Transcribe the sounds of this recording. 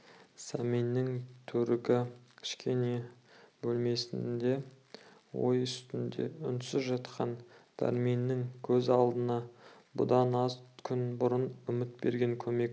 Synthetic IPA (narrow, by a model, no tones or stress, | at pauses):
sɑminːɪŋt̪ʰɵɾɪɡʲɪkʲʰɪ̥ʃkʲʰe̞ne̞bɵlme̞sɪnd̪e̞ | wo̞̰jʏst̪ɪnd̪ḛʏnt̪sɪzʒɑt̪qʰɑnd̪̥æ̰ɾminːɪŋkʲʰɵzɑlˠd̪ənɑ | bʊ̰d̪ɑnɑzkʲʰʏnbʊɾənʏmɪt̪̚be̞̰ɾɡʲe̞ŋkʲʰɵme̞k̚